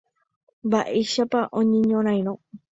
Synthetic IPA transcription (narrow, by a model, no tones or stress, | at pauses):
mbaʔeʃapaʔõɲẽɲõɾ̃ãj̃ɾõ